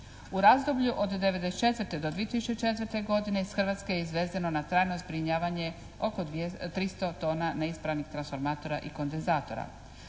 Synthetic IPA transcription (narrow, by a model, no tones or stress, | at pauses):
uɾazd̪o̞bʎuʔod̪ːeʋe̞d̪et͡ʃe̞t̪ʋɾt̪e̞d̪o̞d̪ʋiet̪isu̥t͡ʃet͡ʃe̞t̪ʋɾt̪e̞ɡo̞d̪ine̞isxr̩ʋat̪skejeizʋeːzano̞nat̪ɾaːjno̞zbɾiɲaːʋaɲe̞ | o̞ko̞et̪ɾist̪o̞t̪o̞ːnaneispɾaʋnixt̪ɾansfo̞ɾmaːt̪o̞ɾa̰ʔiko̞nd̪enzaːt̪o̞ɾa̰